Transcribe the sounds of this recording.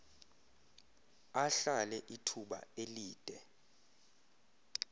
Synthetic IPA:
aɬalɛʔitʰuɓa̰eliːd̥ʼʱɛ

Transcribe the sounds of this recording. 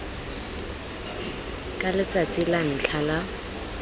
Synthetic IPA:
kʼalɪt͡sat͡sʼɪlan̩ɬʰala

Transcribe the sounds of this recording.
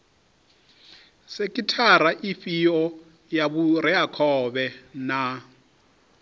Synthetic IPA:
sekʼitʰaɾaʔifiɔ | jaβurɛakʰɔβɛna

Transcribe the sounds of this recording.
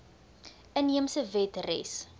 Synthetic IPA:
ʔəniəmsəvɛtrɛ̰s

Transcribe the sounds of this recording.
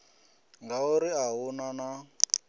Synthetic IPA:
ŋɡauɾiaɦunana

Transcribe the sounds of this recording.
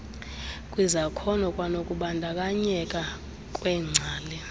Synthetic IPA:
kʼwizakʰɔnɔkʼwanokʼuɓandʱakʼaɲɛkʼa | kʼwɛŋ͡ǀʱaːlɛ

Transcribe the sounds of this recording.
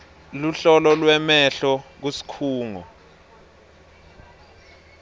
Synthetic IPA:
luɬɔlɔlwɛmɛɬɔk̬usi̥kʰuːŋɔ̰

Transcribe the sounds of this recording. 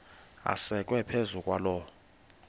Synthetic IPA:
a̰sɛkʼwɛpʰezukʼwalɔ

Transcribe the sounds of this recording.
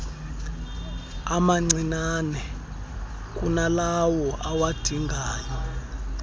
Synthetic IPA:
amaŋ͡ǀinanɛ | k̬ʼunalawɔʔawad̥ʱiŋɡʱaːjɔ

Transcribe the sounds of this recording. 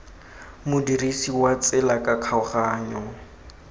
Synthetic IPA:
mʊdirisiwat͡sʼɛlakʼakʰaʊχaːɲɔ

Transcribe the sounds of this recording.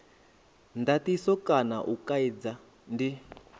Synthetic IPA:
ndatisɔkanaʔukaid͡za | ndi

